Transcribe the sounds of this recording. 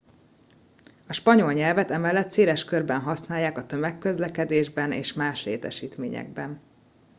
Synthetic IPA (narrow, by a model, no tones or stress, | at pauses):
ɒʃpɒɲo̞lɲɛlvɛt̪ɛmɛlːɛt̪seːlɛʃkørbɛnɦɒsnaːjːaːkɒt̪ø̞mɛkːø̞zlɛkɛd̪eːʒbɛnḛːʃmaːʃlḛːt̪ɛ̰ʃiːt̪meːɲɛ̰ɡ̚bɛn